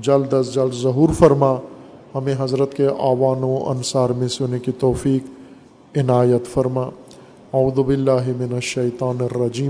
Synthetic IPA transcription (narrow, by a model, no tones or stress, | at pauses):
d͡ʒɐld̪əsd͡ʒɐlzɐɦuːɾfɐɾma | hɐmẽɦɐzɾət̪keʔaːʋaːnõɐ̰nsaːɾmẽsʊnekit̪ɔːfiːk | ɪnaːjət̪fɐɾmaː | ɐuːd̪ubɪlːaːɦɪmɪnɐʃːɐjt̪aːnɪrːɐd͡ʒiːm